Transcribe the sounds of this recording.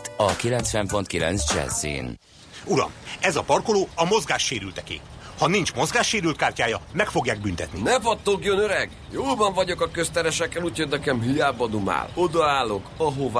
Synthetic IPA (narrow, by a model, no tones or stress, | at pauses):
ɒkilɛnsʋɛmpo̞nt̪kilɛ̰nzd͡ʒɛ̰zːḭːn | uɾɒ̰mɛzɒpɒrkoloːɒmo̞zɡaːʃːeːɾylt̪ɛkḛː | hɒnint͡ʃmo̞zɡaːʃːeːɾylt̪kaːrcaːjɒmɛkfo̞ɡjaːɡ̚bynt̪ɛt̪ninɛfɒt̪ːoːkjønøɾɛɡ | joːlbɒɱvɒɟo̞kɒkøst̪ɛɾɛʃɛkːɛluːcho̞dʲnɛkɛmɦijaːbɒd̪uma̰ːlod̪ɒaːlːo̞kɒɦova